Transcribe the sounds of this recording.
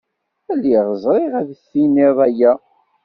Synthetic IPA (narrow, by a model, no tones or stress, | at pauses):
ælːiʁəzˤɾˤiʁæðθːiniðˤæjæ